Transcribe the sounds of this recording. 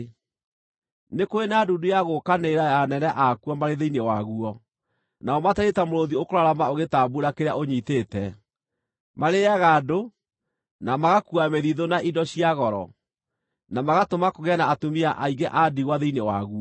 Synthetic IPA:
nekoenaːdudujaɣokaneɾajanɛnɛʔakuɔmaɾeðeinewaɣuɔ | naɔmatɛɾetamoɾoðiokoɾaɾamaoɣetabuɾakeɾaʔoɲiteːtɛ | maɾeaɣaːdo | namaɣakuameðiðonaʔidɔɕiaɣɔɾɔ̰ | namaɣatomakoɣɛnaːtomiaʔaiɡɛʔadiɣwaðeinewa̰ɣuɔ

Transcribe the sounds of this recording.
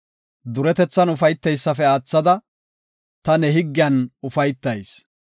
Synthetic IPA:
d̪ʊɾɛt̪ɛt͡sːɐnʊfɐjt̪ːɛjsːɐfɛaːt͡sːɐd̪ɐ | t̪ɐnɛɦɪɡːɪjɐnʊfɐjt̪ːɐjs

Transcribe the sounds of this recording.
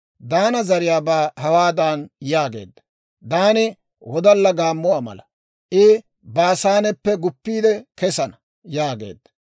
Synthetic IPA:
d̪aːnɐzɐɾɪjaːbaːhɐwaːd̪aːnjaːɡe̞̰ːd̪ːɐ̥ | d̪aːnɪ | wɔd̪ɐlːɐɡaːmːʊwaːmɐ̰lɐ | ʔɪ | baːsaːnɛpːɛɡʊpːiːd̪ɛkɛsɐnɐ | jaːɡe̞̰ːd̪ːɐ̥

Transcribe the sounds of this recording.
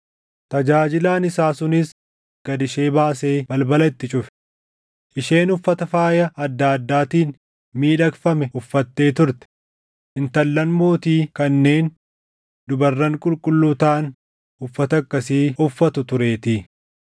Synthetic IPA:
t̪ɐd͡ʒaːd͡ʒɪlaːnɪsaːsʊnɪs | ɡ̥ɐd̪ɪʃe̞ːbaːse̞ːbɐlbɐlɐt̪ːɪt͡ʃʼʊfɛ̥ | ʔɪʃe̞ːnʊfːɐt̪ɐfaːjɐɐd̪ːaːɐd̪ːaːt̪iːn | miːᶑɐkfɐmɛʊfːɐt̪ːe̞ːt̪ʊɾt̪ɛ̥ | ʔɪnt̪ɐlːɐnmo̞ːt̪iːkɐnːe̞ːn | d̪ʊbɐrːɐŋkʼʊlkʼʊlːʊt̪aːn | ʊfːɐt̪ɐkːɐsiːʊfːɐt̪ʊt̪ʊɾe̞ːt̪i

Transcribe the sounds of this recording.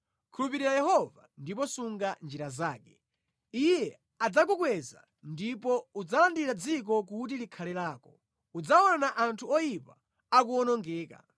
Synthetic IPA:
kʰulupiɾiɾajɛhɔvandip̬ɔsuŋɡand͡ʒiɾazaːkɛ | ijɛ | ad͡zak̬ukwɛza̰ | ndipɔud͡zalandiɾad͡zik̬ɔk̬ut̬ilikʰalɛlaːkɔ | ud͡zaɔnanaʔantʰuɔjipa | ak̬uɔnɔŋɡɛːka̰

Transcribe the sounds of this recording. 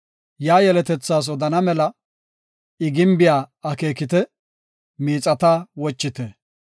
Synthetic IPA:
jaːjɛlɛt̪ɛt͡sːaːs̬ɔd̪ɐnɐmɛlɐ | ɪɡɪmbɪjaːɐke̞ːkɪt̪ɛ | miːt͡sʼɐt̪aːwɔt͡ʃːɪt̪ɛ

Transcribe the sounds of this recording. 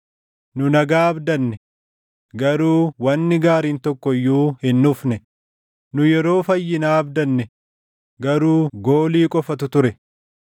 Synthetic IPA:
nʊnɐɡaːɐbd̪ɐnːɛ | ɡɐɾuːwɐnːɪɡaːɾiːnt̪ɔkːɔjːuːhɪnːʊfnɛ | nʊjɛɾo̞ːfɐjːɪnaːɐbd̪ɐnːɛ | ɡɐɾuːɡo̞ːliːkʼɔfɐt̪ʊt̪ʊɾɛ

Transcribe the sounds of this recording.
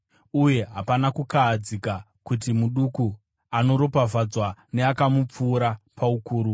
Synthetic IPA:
uje̞ɦapanakukaːd͡zika | kut̬imuɗuku | ano̞ɾo̞pavad͡zwaneakamup͡fuːɾapʰaukuːɾu

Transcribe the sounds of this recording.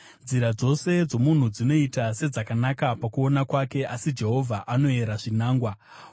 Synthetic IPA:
nd͡ziɾad͡zo̞se̞d͡zo̞mun̤ud͡zino̞itase̞d͡zakanakapakuo̞nakwake̞ʔasid͡ʒe̞ɦo̞vʱaʔano̞e̞ɾaʐinaːŋɡwa

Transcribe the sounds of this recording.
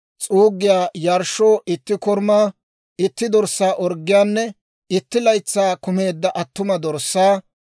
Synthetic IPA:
t͡sʼuːɡːɪjaːjɐɾʃoːʔɪt̪ːɪkɔɾmaː | ɪt̪ːɪd̪ɔɾsːaːʔɔɾɡːɪjaːnːɛ | ɪt̪ːɪlɐjt͡sːaːkʊme̞ːd̪ːɐʔɐt̪ːʊmɐd̪ɔɾsːaː

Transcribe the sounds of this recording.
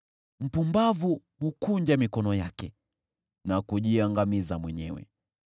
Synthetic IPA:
m̩pumbavu | mukuɲd͡ʒamikɔnɔjakɛ | nakuʄiaŋɡamizamwɛɲɛwɛ̰

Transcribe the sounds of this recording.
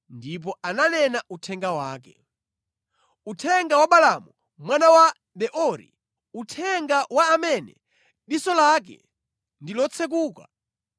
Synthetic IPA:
ndip̬ɔʔananɛnautʰɛŋɡawaːkɛ | utʰɛŋɡawaɓalamu | mwanawa | ɗɛʔɔɾḭ | utʰɛŋɡawaːmɛnɛ̰ | ɗisɔlak̬ɛ̰ | ndilɔt͡sʰɛk̬uːka̰

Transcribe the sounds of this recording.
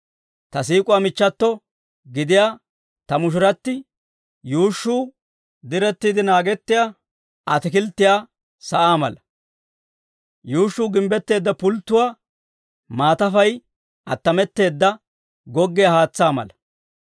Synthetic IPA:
t̪ɐsiːkʼʊwaːmɪt͡ʃːɐt̪ːɔ | ɡɪd̪ɪjaː | t̪ɐmʊʃ̬ʊɾɐt̪ːɪ | juːʃːuː | d̪ɪɾɛt̪ːiːd̪ɪnaːɡɛt̪ːɪjaː | ɐt̪ɪkɪlt̪ːɪjaː | sɐʔaːmɐ̰lɐ | juːʃːuːɡɪmbɛt̪ːe̞ːd̪ːɐpʊlt̪ːʊwaː | maːt̪ɐfɐj | ʔɐt̪ːɐmɛt̪ːe̞ːd̪ːɐ | ɡɔɡːɪjahaːt͡sːaːmɐ̰lɐ

